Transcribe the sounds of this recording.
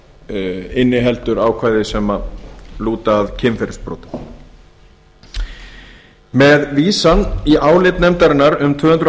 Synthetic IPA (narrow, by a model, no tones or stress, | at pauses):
ɪnːɪɦɛlt̪ʏɾaːwkʰvaːjðɪsɛmaluːt̪aːðcʰɪmfɛɾɪspɾo̰ːwt̪ḁ | mɛðviːsaniʔaːwlɪt̪nɛmt̪aɾɪnːaɾʏmt̪ʰvʏːɣhʏnt̪ɾ